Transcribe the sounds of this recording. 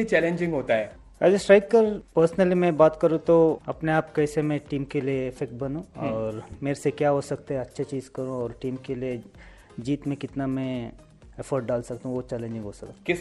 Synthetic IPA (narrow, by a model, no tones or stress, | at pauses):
it͡ʃɛːlẽɲd͡ʒɪ̃ŋɡɦoːt̪aɦɛː | ɐːd͡ʒesʈɾaːɪt̪̚kəɾpəɾsnəlimɛ̃baːt̪kɐɾũt̪oɐpneaːpkɛːsemẽʈiːmkelieːfek̚ʈ̚bɐnũɔ̃ːɾmeːɾesekjaːɦosɐk̚t̪eɦɛɐtːʃʰet͡ʃiːzkɐɾũɔːɾʈiːmkelie | d͡ʒiːt̪mẽkɪt̪namɛ̃ | efʰəːɾʈ̚ɖaːlsɐkt̪aɦũʋot͡ʃɛːlẽːɲd͡ʒɪ̃ŋɡɦosɐk̪akɪs